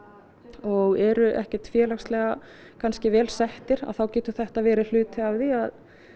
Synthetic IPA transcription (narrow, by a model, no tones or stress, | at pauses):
ɔɣɛɾʏʔɛ̰hcɛɾ̥t̪fjɛːlaxst̪lɛɣa | kʰanscɪvɛːlsɛht̪ɪɾa̰ðθawcɛːt̪ʏ̥θɛht̪avɛːɾɪl̥ʏːt̪ɪavðiað